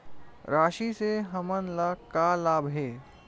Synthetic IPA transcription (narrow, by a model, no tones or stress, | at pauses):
ɾaːʃiseɦɐmənlakalaːbʱɦeː